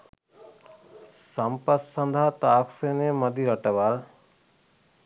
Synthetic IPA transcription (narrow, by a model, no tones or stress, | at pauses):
sɐmpəsənd̪ʱat̪aːkʰseneməd̪ʱiɾəʈəʋal